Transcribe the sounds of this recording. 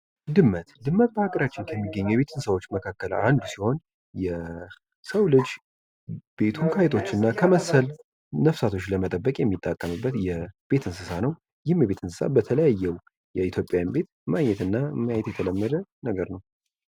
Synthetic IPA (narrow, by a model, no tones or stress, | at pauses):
d̪ɨmːət̪d̪ɨmːət̪̚bəhaɡəɾat͡ʃːɪnkʰəmːiɡːəɲːujɛβe̞t̪ʰɨnsəwo̞t͡ʃːməkʰakːəla̰nd̪usiho̞n | jɛ | səwlɨd͡ʒ | b̥e̞t̪ʰuŋkʰajɛt̪ʰo̞t͡ʃːɨnːakʰəməsəl | nəfsat̪ʰo̞t͡ʃːləmət̪ʼəbːəkʼjɛmːit̪ʼːakʼːəmɨbːət̪jɛb̥e̞t̪ʰɨnsɨsanəw | jɪhmjɛβe̞t̪ʰɨnsɨsa̰bət̪ʰələjajːɛw | jɛit̪ʰjo̞pʼːejanbe̞t̪maɲɛt̪ɨnːamːajajɛt̪jɛt̪ʰələmːəd̪ənəɡəɾnəw